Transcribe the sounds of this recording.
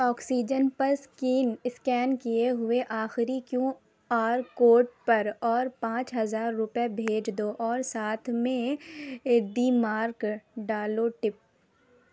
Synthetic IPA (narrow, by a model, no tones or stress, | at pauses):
ɔːksiːd͡ʒənpɐɾskiːnɪskɛːnkijeɦʊeʔaːxɪɾikjõː | aːɾkoːʈ̚pɐɾɔːɾpãːt͡ʃɦɐzaːɾːʊpjebʱeːd͡ʒd̪oʔɔːɾsaːt̪ʰmẽ | ɖiːmaːɾkɖaːloʈɪp̚